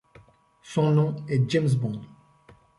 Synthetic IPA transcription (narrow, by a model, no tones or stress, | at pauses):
sɔ̃nɔ̃ɛd͡ʒɛms̬bɔ̃d̪